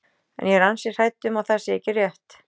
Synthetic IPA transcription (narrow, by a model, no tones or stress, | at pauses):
ɛ̰njɛɾansɪ̥r̥aːjt̪ʏmawθḁsɪɛcːɪrjɛht̪